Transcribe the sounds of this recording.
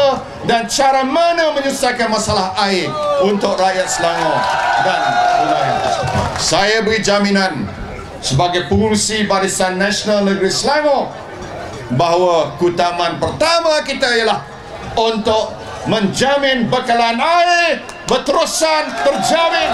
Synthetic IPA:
dant͡ʃaɾamanəməɲusakanmasalaɦaɪunt̪ʊkrajat̪̚səlaŋɔdanulaɦasajabəɡid͡ʒaminan | səbaɡajpəuŋsibaɾisanːaʃənalnəɡɾisəlaŋɔ | baɦawakut̪amãnpərt̪amakit̪ajalah | unt̪ʊʔ̚ | mə̃ɲd͡ʒamɪ̃nbakalaːnaɪ | bət̪əɾusanbərd͡ʒamɪ̃n

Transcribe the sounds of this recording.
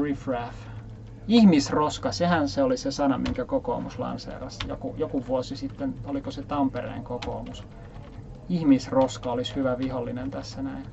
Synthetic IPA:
rifræf | ihmisroskɑsehænseolisesɑnɑmiŋkækoko̰ːmuslɑ̰nsḛːrɑsjokujokuʋuosisit̪ːenolikoset̪ɑmpeɾḛiŋkoko̰ːmus | ihmisroskɑolishyʋæʋiholːinent̪æsːænæin

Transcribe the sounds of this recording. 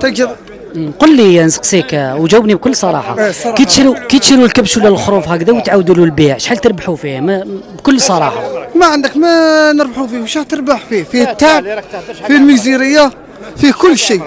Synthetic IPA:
t̪æ | qolːinsə̥qsˤikwd͡ʒəwːəbnib̚kʊlːsˤɑɾˤɑ̰ħɑ̰kit̪ʃiɾukit̪ʃiɾulkəbʃuwlælxɾˤufhækd̪æwt̪ʕawd̪ululbiʕʃħalt̪əɾbaħufihmæbkʊlːsˤɑɾˤɑ̰ħɑ̰maʕənd̪əkmænəɾbħufihʃæt̪əɾˤbaħfifihət̪ːaʕb̚filmiziɾəjːa | fikʊlːʃi

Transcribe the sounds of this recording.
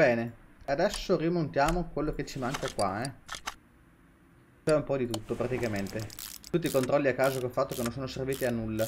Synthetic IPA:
bɛːnead̪ɛsːorimont̪jaːmokwelːoket͡ʃːimaŋkakwaɛ | t͡ʃoɛumpɔd̪it̪ut̪ːopɾat̪ikament̪et̪ut̪ːiːkont̪ɾɔlːiakːaːzokolfːat̪ːokenːonsoːnoserviːt̪ianːulːa

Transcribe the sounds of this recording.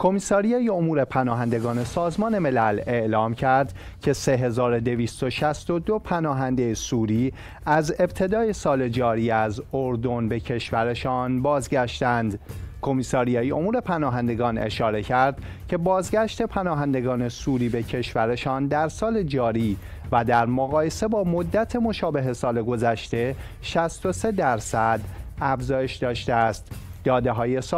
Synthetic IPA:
kʰo̞misɒːɾijɒːjeomuːɾe̞pʰænɒːɦænd̪e̞ɡɒːne̞sɒːzmɒːne̞me̞læle̞ʔlɒːmcʰæɾd̪̥ | cʰe̞se̞ɦe̞zɒːɾo̞d̪e̞viːst̪o̞ʃæst̪o̞d̪opʰænɒːɦænd̪ejesuːɾiː | æze̞bt̪ʰe̞d̪ɒːje̞sɒːle̞d͡ʒɒːɾiːæzoɾd̪o̞nbe̞cʰe̞ʃvæɾe̞ʃɒːnbɒːzɟæʃt̪ænd̪kʰo̞miːsɒːɾijɒːjiʔo̞muːɾe̞pʰænɒːɦænd̪e̞ɡɒːne̞̰ʃɒːɾe̞cʰæɾd̪̥ | cʰe̞bɒːzɟæʃt̪e̞pʰænɒːɦænd̪e̞ɡɒːne̞suːɾiːbe̞cʰe̞ʃvæɾe̞ʃɒːnd̪æɾsɒːle̞d͡ʒɒːɾiː | væd̪æɾmoɣɒːje̞se̞bɒːmod̪ːæt̪ʰe̞mo̞ʃɒːbe̞ɦe̞sɒːle̞ɡo̞zæʃt̪e̞ | ʃæst̪o̞se̞d̪æɾsæd̪æfzɒːje̞ʃd̪ɒːʃt̪eæst̪d̪ɒːd̪eɦɒːje̞s

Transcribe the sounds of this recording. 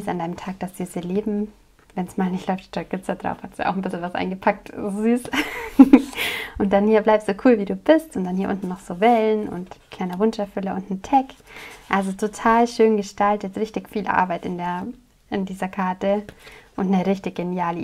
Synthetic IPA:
sandaɪnəmtʰaːk̚d̥asz̥iːsəleːbm̩ | vɛnsmaːlnɪçtlɔʏftʃtɔɡ̥ɪt͡sad̥ʁa̰ʊfhastd̥ujaʔa̰ʊxn̩bɪsl̩vasʔa̰ɪnɡəpʰak̚toziːs | ʔʊnt̚d̥anhiːɐblaɪp̚sz̥oːkʰuːlviːduːbɪstʊnt̚d̥anhiːɐʔʊ̰ntn̩nɔχz̥oːvɛlnʔʊ̰ntkʰl̥aɪnɐvʊnʃɛɐfʏləʊntn̩tʰɛkʔalzotʰotʰaːlʃøːnɡəʃtaltətʁɪçtɪçfiːlʔa̰ɐbaɪtɪndeːɐ | ʔɪndiːzɐkʰaɐtəʔʊntnəʁɪçtɪçɡ̥enjaːlə

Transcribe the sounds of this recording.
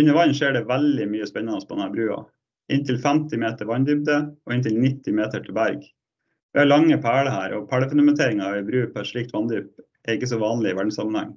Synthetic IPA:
ɪnːɪʋɑnʂeːɖɛʋæld̪ɪmyːəspɛnːɑnɔspʰɔd̪ɛnhæːɾbɾʉːɑ̰ | ʔɪnt̪ʰɪlfæmt̪ɪmeːt̪əɾʋɑnd̪ʏb̚d̪əoɪnt̪ɪlnɪt̪ːɪmeːt̪əʈʰɪlbæɾɡ | ʋɪːhɑɭɑŋːəpʰæːɭəhæːɾʔɔ̰pʰæːɽəfʉnɑmɛnt̪ʰeːɾɪŋɑɑʋɪbɾʉːpʰɔɛʂɭiːk̚t̪ʋɑnd̪yːp̚ | ɛɪkːəs̬ɔʋɑːnlɪɪʋæɖɳ̩sɑmənhɛ̰ŋ

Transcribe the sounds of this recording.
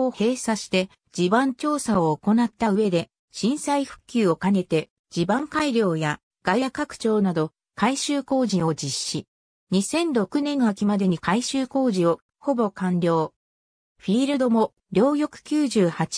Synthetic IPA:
ohe̞ːsaɕi̥t̪e̞ | d͡ʑibãɲt͡ɕo̞ːsaoːko̞nat̪ːaɯ̟e̞d̪e̞ | ɕĩɰ̃saiɸɯ̟̥kʲːɨːo̞kane̞t̪e̞ | d͡ʑibãŋkaiɾʲo̞ːja | ɡ̥ajjakːakɯ̟̥t͡ɕo̞ːnad̪o̞ | kaiɕɨːko̞ːʑĩo̞d͡ʑiɕːi | ɲ̟isẽ̞nɾo̞kɯ̟nẽ̞nːoakʲimad̪e̞ɲ̟ikaiɕɨːko̞ːʑio̞ | ho̞bo̞kãnɾʲo̞ː | ɸʲiːɾɯ̟d̪o̞mo̞ | ɾʲo̞ːjʲo̞kɯ̟̥kʲɨːʑɨːhat͡ɕi̥

